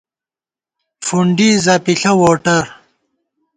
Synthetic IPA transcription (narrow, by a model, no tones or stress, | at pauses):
fuɳɖizɐpiɬɐwoːʈɐɾ